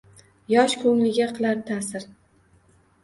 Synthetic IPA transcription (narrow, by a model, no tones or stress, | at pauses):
jɒʃkʰɵŋlɪɡʲaqʰɨlˠaɾt̪ʰasɪɾ